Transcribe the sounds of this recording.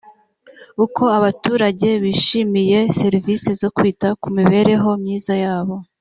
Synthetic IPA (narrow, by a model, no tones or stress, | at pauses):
ukʰo̞aβatuːɾaɟe̞βiːʃimije̞se̞ɾivise̞zo̞kwiːtakumiβe̞ːɾe̞ɦo̞mɲiːzajaːβo̞